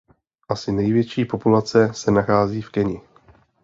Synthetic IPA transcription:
ʔasɪnɛjvjɛt͡ʃiːpo̞pulat͡sɛsɛnaxaːziːfkɛɲɪ

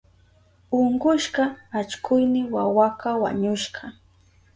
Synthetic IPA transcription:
ʊɴɢʊʃɢɑat͡ʃkʊjnɪwawakawa̰ɲʊʃɢɑ

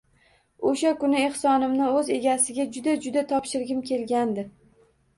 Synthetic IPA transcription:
oʃakʊnɪeχsɒnɪmnɪɵze̞ɡʲasɪɡʲad͡ʒʊd̪ad͡ʒʊd̪at̪ʰɒpʃɪɾɡʲɪmkʲʰe̞lɡʲand̪ɪ

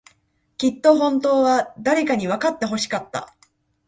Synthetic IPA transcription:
kʲit̪ːo̞ɦõ̞nt̪o̞ːβad̪aɾe̞kaɲ̟iβ̞akat̪ːe̞ɦo̞ɕi̥kat̪ːa̰

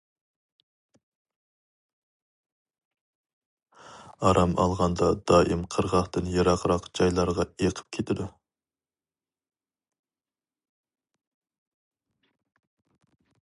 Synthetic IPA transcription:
ɑɾʔɑmɑlˠʁɑnd̪ɑd̪̥ɑːʔimqʰəɾʁɑχt̪ɨnjɑɾɑqʰɾɑqd͡ʒɑjlˠɑɾʁɑeqʰə̥p̚kʲʰet̪ʰɪd̪u

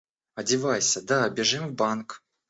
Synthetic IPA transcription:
ɐdʲɪvajsʲəd̪abʲɪʐɨmvbank

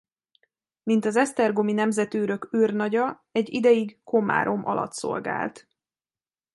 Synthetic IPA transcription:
mint̪ɒzɛst̪ɛrɡominɛmzɛt̪øːɾø̞køːrnɒɟɒ | ɛɟːid̪ɛjiɡko̞ma̰ːɾʔo̞mʔɒ̰lʔɒ̰t̪so̞̰lɡa̰ːlt̪

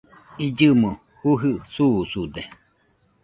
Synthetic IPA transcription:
id͡ʒɨmu | huɦɨsuːsud̪e

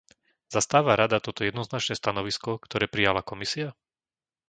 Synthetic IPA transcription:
z̥ast̪aːʋaɾad̪at̪ɔt̪ɔjɛd̪nɔznat͡ʃnɛːst̪anɔʋiskɔkt̪ɔɾɛːpɾijalakɔmisia

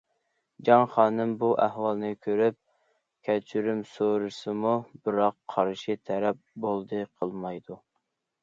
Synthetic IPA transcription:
d͡ʒɑŋχɑːnɨmbuʔæhwɑlˠnɨkʲʰøɾyp̚ | kʲʰɛt͡ʃʰyɾymsoɾɨsɨmubɨɾɑqʰːɑɾʃit̪ʰɛɾɛp̚bolˠd̪ɨqʰəlˠmɑjd̪u

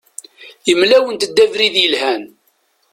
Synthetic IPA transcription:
jəmlæwənt̪d̪ːævɾiðjəlhæn

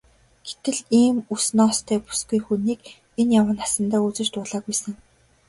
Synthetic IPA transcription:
ɡ̥et̪ɘ̆ɮiːmusnɔːst̪ʰæːpu̥sɡ̥ujxuniːk | enjawə̆nasə̆nt̪aːut͡sɘ̆t͡ɕt̪ʊːɮaːɣujsə̆ŋ

